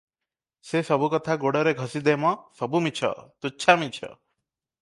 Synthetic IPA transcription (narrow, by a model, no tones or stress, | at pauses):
sesɔbukɔt̪ʰaɡoɽɔɾeɡʱɔsid̪emɔsɔbumit͡ʃʰɔ̰t̪uːʃʰamit͡ʃʰɔ̰